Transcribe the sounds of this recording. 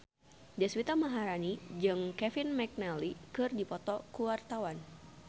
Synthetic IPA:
daswit̪amaɦaɾanid͡ʒɨŋkɛfinmɛk̚nalikɨrdipɔt̪ɔkuwart̪awan

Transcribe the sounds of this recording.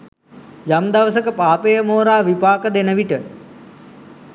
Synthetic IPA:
jamd̪ɐʋəsəkəpaːpejəmoːɾaːʋipaːkəd̪enəʋiʈə

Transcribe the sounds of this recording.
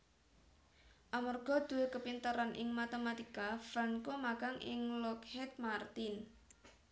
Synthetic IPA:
ʔamarɡ̥ɔ̤d̪̥ṳwekəpint̪əɾanʔɪŋmat̪emat̪ikafaŋkomaɡ̥aŋʔɪ̰ŋlɔkhɛt̪̚mart̪in

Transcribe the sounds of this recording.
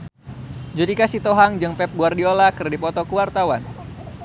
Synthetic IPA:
d͡ʒudikasit̪oɦaŋd͡ʒɨŋpɛp̚ɡuardiolakɨrdipɔt̪ɔkuwart̪awan

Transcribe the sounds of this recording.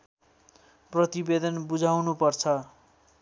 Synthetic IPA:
prʌt̪ibed̪ʌnbud͡zʱawnupʌrt͡sʰʌ

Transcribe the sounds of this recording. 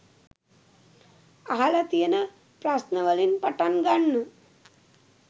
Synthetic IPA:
aɦalɐt̪ijɐnɐ | pɾasnɐʋɐlinpɐʈanɡaɳːɨ

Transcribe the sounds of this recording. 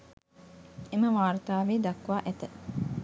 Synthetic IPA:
emɐʋaːɾut̪aːʋiːd̪ɐkːʋaːʔet̪ɐ

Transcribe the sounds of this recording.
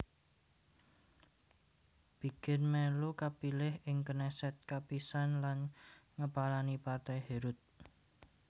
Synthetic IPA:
b̥i̤kɪnmɛlukapilɪhʔɪŋkənɛsɛt̪̚kapisanlanŋəpalanipart̪ɛjheɾʊt̪̚

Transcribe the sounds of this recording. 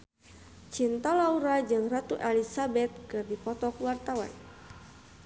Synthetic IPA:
t͡ʃint̪alauɾad͡ʒɨŋrat̪uʔelisabɛt̪̚kɨrdipɔt̪ɔkwart̪awa̰n

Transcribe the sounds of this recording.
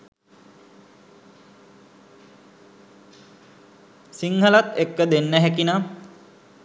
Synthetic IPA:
siŋɦəlat̪ekːəd̪enːəɦɛkina

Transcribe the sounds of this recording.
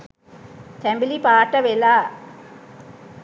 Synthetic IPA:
t̪ɛmbɪlipaːʈːɐʋɛlaː

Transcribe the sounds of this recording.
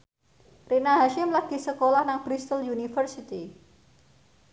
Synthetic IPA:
rinaɦaʃɪmlaɡ̥i̤səkolahnaŋb̥ɾist̪əljunifərsit̪i

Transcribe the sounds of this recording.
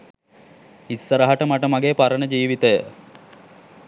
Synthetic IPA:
isːəɾəɦaʈəmaʈəmaɡeːpaɾənəd͡ʒiːʋit̪əjə

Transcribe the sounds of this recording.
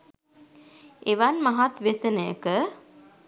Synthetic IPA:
eʋanmaɦat̪ʋesənəjə̰kə

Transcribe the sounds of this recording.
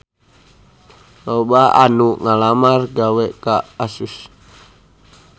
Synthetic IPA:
lobaa̰nuʔŋalamarɡawɛʔkaːsus

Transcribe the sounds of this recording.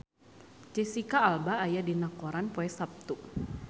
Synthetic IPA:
d͡ʒɛsikaːlbaːjadinakɔɾanpoɛsap̚t̪uʔ

